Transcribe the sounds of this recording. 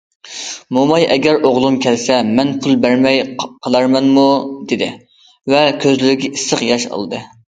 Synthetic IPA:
mumɑjɛɡʲɛɾʔoʁlˠumkʲʰɛlsɛmɛnpʰulˠbæɾmɛjqʰəlˠɑɾmɛnmud̪̥ed̪ɪ | vɛkʲʰøzlɪɾɪɡʲɛisəqjɑʃɑ̰lˠɨd̪ɨ

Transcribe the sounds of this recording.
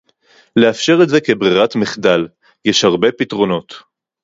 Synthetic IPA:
le̞afʃe̞ʁetze̞ke̞bʁiʁatmiχdal | jeʃhaʁbe̞pitʁo̞no̞t

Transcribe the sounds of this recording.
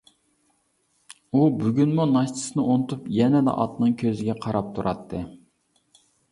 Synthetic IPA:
ubyɡʲynmunɑʃt̪ʰɨ̥sɨnɨonɨt̪ʰupjɛnɛd̪ɛ̰ʔɑ̰t̪nɨŋkʲʰøzɪɡʲɛqʰɑɾɑp̚t̪ʰuɾʔɑt̪ʰːɨ

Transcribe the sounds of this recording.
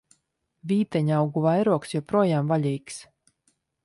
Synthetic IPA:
vʲiːt̪ɛɲawɡuvajɾuɔksjɔpɾuɔjaːmvalʲijks

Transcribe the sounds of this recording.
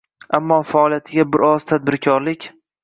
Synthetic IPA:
amːɒfaɒlˠijat̪ʰɪɡʲabɪɾɒz̥t̪ʰad̪̚bɪɾkʲʰɒɾlɪkʲ

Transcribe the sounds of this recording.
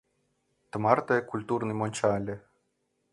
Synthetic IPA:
t̪əmɑrt̪ɤkulʲt̪urnɨjmonʲt͡ɕalʲɘ

